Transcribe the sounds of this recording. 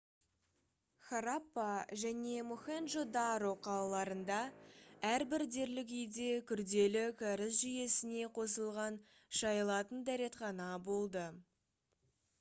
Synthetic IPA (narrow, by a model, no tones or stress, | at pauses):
χaɾapːaʒæne̞muxenʒod̪ɑɾoqʰɑlˠɑlˠɑɾənd̪ɑæɾbɪɾd̪e̞ɾlɪk̬ʲijd̪e̞kʲʰʏɾd̪e̞lɪkʲʰæɾɪsʒʏje̞sɪne̞qʰo̞səlˠʁɑn | ʃɑjəlˠɑt̪ənd̪æɾe̞t̪χɑnɑbo̞lˠd̪ə